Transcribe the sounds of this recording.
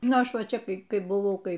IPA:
ˈnʊ ˈɐʃ ˈʋɐ ˈt͡ʃʲɛ ˈkɐɪ ˈkɐɪ bʊˈʋɐʊ ˈkɐɪ

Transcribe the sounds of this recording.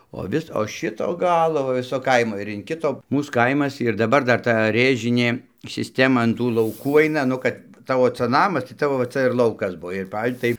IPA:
oː ˈʋʲɪs oː ˈʃʲɪtoː ˈɡɑːlˠoː ʋɐ ˈʋʲɪsoː ˈkɐɪmoː ɪr ɪn ˈkʲɪtoː ˈmuːs ˈkɐɪmɐs ɪr dɐˈbɐr ˈdɐr ˈtɐ ˈrʲeːʒʲɪnʲeː sʲɪˈsʲtʲæːmɐ ɐn ˈtuː lˠɐʊˈkuː ˈɐɪnɐ ˈnʊ kɐt ˈtɑːʋoː ˈt͡sɐ ˈnɑːmɐs tɐɪ ˈtɑːʋoː ʋɐ ˈt͡sɐ ɪr ˈlˠɐʊkɐs ˈbuɔ ɪr ˈpɐw tɐɪ

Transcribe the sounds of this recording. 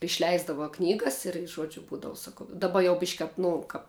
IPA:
ɪʃʲˈlʲɛɪzdɐʋɐ ˈknʲiːɡɐs ɪr ˈʒuɔd͡ʒʲʊ ˈbuːdɐʋʊ sɐˈkɐʊ dɐˈbɐ jɛʊ bʲɪʃʲkʲ kɐp ˈnʊ kɐp

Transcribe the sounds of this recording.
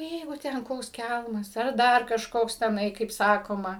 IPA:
ˈjɛɪɡʊ ˈtʲɛn ˈkoːks ˈkʲælˠmɐs ɐr ˈdɐr kɐʃˈkoːks tʲɛˈnɐɪ kɐɪp ˈsɑːkoːmɐ

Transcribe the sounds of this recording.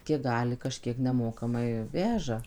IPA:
ˈkʲiɛk ˈɡɑːlʲɪ kɐˈʃʲkʲiɛk nʲɛˈmoːkɐmɐɪ ˈʋʲæːʒɐ

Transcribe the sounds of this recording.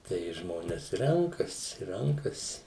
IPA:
tɐɪ ˈʒmoːnʲɛs ˈrʲɛŋkɐsʲɪ ˈrʲɛŋkɐsʲɪ

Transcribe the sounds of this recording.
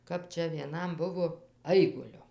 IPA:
ˈkɐp ˈt͡ʃʲɛ ʋʲiɛˈnɐm ˈbʊʋoː ˈɐɪɡʊlʲʊ

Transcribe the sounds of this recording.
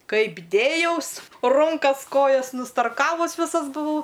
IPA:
ˈkɐɪp ˈdʲeːjɛʊs ˈrʊŋkɐs ˈkoːjɛs nʊstɐrˈkɑːʋʊs ˈʋʲɪsɐs bʊˈʋɐʊ

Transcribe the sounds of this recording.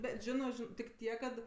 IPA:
ˈbʲɛt ˈʒʲɪnoː ˈʒʲɪn tʲɪk ˈtʲiɛk kɐt

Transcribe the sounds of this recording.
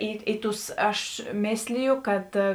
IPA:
ˈiː iː ˈtʊs ˈɐʃ ˈmʲeːsʲlʲɪjʊ ˈkɐt

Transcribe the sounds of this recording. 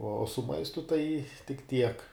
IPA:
oː sʊ ˈmɐɪstʊ tɐɪ tʲɪk ˈtʲiɛk

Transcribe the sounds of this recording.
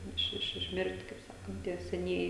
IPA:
ˈɪʃ ˈɪʃ ɪʃʲˈmʲɪrʲtʲ kɐɪp ˈsɑːkɐnt ˈtʲiɛ sʲɛˈnʲiɛjɪ

